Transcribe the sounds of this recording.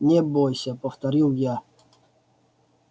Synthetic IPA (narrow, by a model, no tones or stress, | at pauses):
nʲebojsʲəpəft̪ɐɾʲilˠja